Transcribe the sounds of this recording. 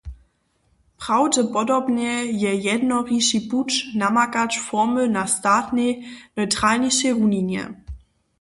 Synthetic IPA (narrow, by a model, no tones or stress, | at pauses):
pʁ̥awdəpɔdɔbnɛjɛjɛdnɔʁiʃiput͡ʃnamakat͡ʃfɔmənastaːtnɛjnɔjtʁ̥alɲiʃɛʁuniɲjɛ̰